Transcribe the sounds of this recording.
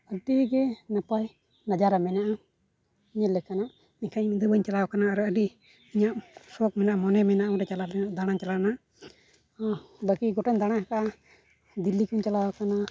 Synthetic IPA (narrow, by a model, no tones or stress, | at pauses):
əɖiɡɛnapaj | nad͡ʒaɾamɛnaʔa | iɲalɛkanaʔ | mɛɲkʰamid̪əbəɲt͡ʃalawakanaːɾəɖi | iɲaʔsɔk̚mɛnaʔamɔnɛmɛnaʔaɔɖɛt͡ʃalalɛnad̪aɽ̃aɲt͡ʃalanaʔ | bakiɡɔʈɛnd̪aɽ̃aakaa | d̪ilːikuɲt͡ʃalawakana